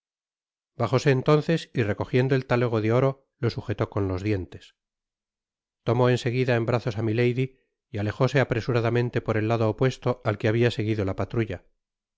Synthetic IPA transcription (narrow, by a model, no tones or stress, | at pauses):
baχo̞se̞ːnt̪o̞n̟θe̞sire̞ko̞xje̞nd̪oe̞lt̪aleɣ̞o̞ðeo̞ɾo̞ | lo̞suxe̞t̪o̞ko̞nlo̞zðje̞nt̪e̞s | t̪o̞mo̞e̞nse̞ɣiðaembɾaθo̞samilejði | jale̞xo̞se̞apɾesuɾaðamẽ̞nt̪e̞po̞ɾe̞lːaðo̞ːpwe̞st̪o̞alkeaβiase̞ɣiðo̞lapat̪ɾuʝa